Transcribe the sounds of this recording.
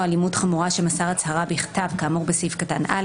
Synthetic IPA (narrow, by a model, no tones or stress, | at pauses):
alimutχamuʁaʃemasaʁat͡shaʁabeiχtavkaːmuʁbesifkatanʔa̰